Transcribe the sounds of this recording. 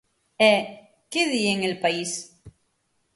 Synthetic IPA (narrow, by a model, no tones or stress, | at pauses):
ɛ | keðieŋelpais